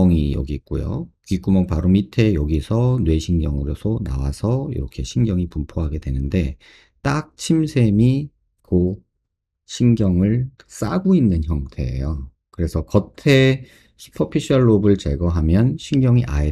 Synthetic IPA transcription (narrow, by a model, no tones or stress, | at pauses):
ŋijʌ̰ɡik̚k͈ṵjo̰kɥik͈umʌŋpaɾomitʰe̞jʌɡisʰʌnwe̞ɕʰinɡjʌŋɯɾosʰona̰wasʰʌḭɾʌkʰe̞ɕʰinɡjʌŋipumpʰoɦaɡe̞dwe̞nɯnde̞ | t͈ak̚t͡ɕʰimsʰe̞mi | ko | ɕʰinɡjʌŋɯɭs͈aɡoinːɯnçjʌŋtʰe̞̰ḛjo | kɯɾe̞sʰʌkʌtʰe̞ | ɕʰi̥pʰʌpʰiɕʰiʌɭːobɯɭt͡ɕe̞ɡʌɦamjʌnɕʰinɡjʌŋiʔa̰e